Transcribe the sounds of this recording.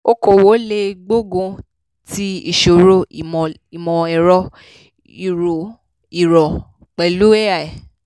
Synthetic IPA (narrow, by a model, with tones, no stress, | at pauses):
o˦ko˦˨wo˨˦le˧ɡ͡bo˦ɡõ˧ | ti˦ḭ˦˨ʃo˨ɾõ˦˨ | i˨mɔ̃˨ɛ˨ɾɔ˦ | i˨ɾo˨ | i˨ɾɔ˨ | k͡pɛ˨lu˦e˦a˦˨ɛ˨